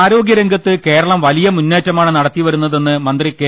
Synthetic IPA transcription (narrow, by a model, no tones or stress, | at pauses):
aːɾo̞ːɡjɐɾeŋɡɐt̪ːɨke̞ːɾɐɭɐmʋɐlijɐmunːeːtːɐmaːɳɨnɐɽɐt̪ːiʋɐɾunːɐðe̞nːɨmɐnd̪rike